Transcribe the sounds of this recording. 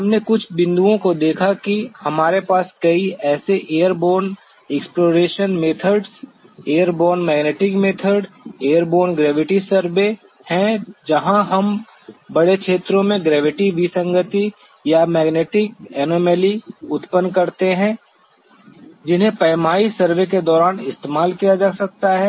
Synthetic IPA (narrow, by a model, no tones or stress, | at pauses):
ɦɐmnekʊt͡ʃʰbɪ̃nd̪uõkod̪eːkʰakihɐmaːɾepaːskɐiɛːseʔeːjəɾboːɾn | ɛksploːɾeːʃənmeːt̪ʰəɾɖs | eːəɾboːɾnmɛːɡneːʈɪkmeːt̪ʰəɾɖ | eːəɾboːɾnɡɾɛːʋɪʈisəɾʋe | hɛ̃d͡ʒɐɦãɦɐm | bɐɽekʃʰeːt̪ɾõmẽɡɾɛːʋɪʈiʋisə̃ŋɡət̪i | jamɛːɡneːʈɪk̚ɛːnoːmɛːliʊt̪pənkɐɾt̪eɦɛ̃ | d͡ʒɪnɦẽpɐːmaːisəɾʋek̬ed̪ɔːɾaːnɪst̪eːmaːlkijad͡ʒaːsɐk̚t̪aɦɛː